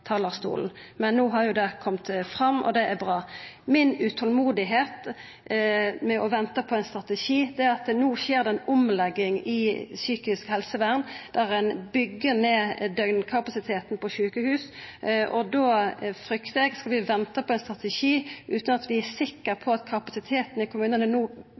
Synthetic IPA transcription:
t̪ʰɑːləʁst̪ṵːln̩mɛnːuːɦɑɾjʊd̪ɛkʰɔmt̪fʁɑmːɔ̰d̪ɛʔæbʁɑːmɪnʉt̪ʰɔlmuːd̪ɪɦeːt̪ | mɛʔɔʋɛnt̪əpʰɔɛɪnst̪ʁɑt̪ɛʃiːd̪ɛɑt̪nuːʃeːʁd̪ɛɛnʊmlɛɡːɪŋɪsyːkɪskhɛlsəʋæːʁnd̪̥æʁæɪnbʏɡːəneːd̪œɡnkʰɑpɑsɪt̪ʰeːt̪n̩pʰɔʃʉːkəhʉːsʔɔd̪oːfɾʏkt̪əɛɡskɑlʋɪʋɛnt̪əpʰɔɛɪnst̪ʁɑt̪ɛʃiːʔʉːt̪nɑt̪ʰʋɪæsɪkːəɾpʰɔɑt̪kʰɑpɑsɪt̪ʰeːt̪n̩ɪkʰʊmʉːnənənuː

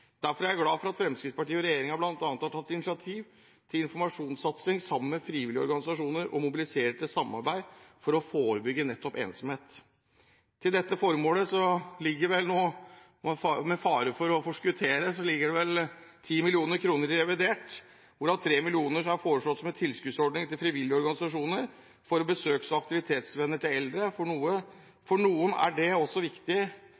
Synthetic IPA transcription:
d̪̥æɾfɔɾjæɪæɾɡlɑːfɔɾɑt̪fɾɛmskɾɪt̪spɑʈiːɔɾɛjeːɾɪŋhɑblɑnt̪ɑnt̪ʰɑt̪ʰːɑt̪ːɪnɪsɪɑt̪ʰiːʋ | t̪ʰɪlɪnfɔɾmɑʂuːnsɑt̪sɪŋsɑmːmɛfɾiːʋɪlɪɔ̰ɾɡɑnɪsɑʂuːnəɾʔɔ̰mʊbɪlɪseːɾʈ̪ɪlsɑmːɑ̰ɾbæɪfɔɾɔfoːɾəbʏɡːənɛt̪ːɔpḛːnsɔmheːt̪ | t̪ʰːɪld̪ɛt̪ːəfɔɾmoːləsɔlɪɡːəɾʋɛlnoː | mɛfɑːɾəfɔɾɔfɔʂkʉt̪ʰeːɾəsɔlɪɡːəɖɛʋɛlt̪ʰiːmɪlɪuːnəɾkʰɾuːnəɾɪɾɛʋɪd̪eːʈ | ʋʊɖɑnt̪ʰɾeːmɪlɪuːnəɾɑɾfoːɾəʂlɔt̪ːsɔmɛnt̪ʰɪlskʉːd̪sɔɖɳɪŋt̪ɪlfɾɪʋɪljəɔɾɡɑnɪsɑʂuːnəɾ | fɔɾɔbəsøːksɔɑkt̪ɪʋɪt̪ʰeːt̪sʋɛnːəʈɪlɛld̪ɾəfɔɳuːə | fɔɳuːənæ̰ɖɛɔsːɔʋɪkt̪ɪ

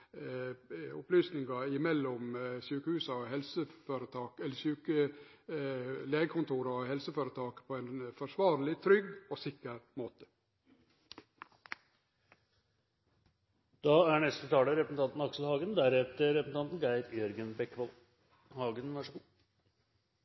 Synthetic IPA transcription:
ʊplyːsnɪŋɑɪmɛlːɔmsyːkəhʉːsɑɔhɛlsəføːɾət̪ʰɑːkɛlːəsyːkə | leːɡəkʰʊnt̪ʰuːɾɑɔhɛlsəføːɾət̪ʰɑːkpʰɔɛɪnfɔʂʋɑːɾlɪt̪ʰɾʏɡːɔsɪkːəɾmoːt̪ə̥ | d̪̥ɑːæɳɛst̪ət̪ʰɑːləɾɛpɾəsn̩ʰɑnt̪n̩ɑksl̩hɑːɡənd̪æɾɛt̪əɾɛpəsn̩ɑnt̪n̩ɡæɪt̪jœɾɡənbɛkːʋɔl | hɑːɡənʋæʂ

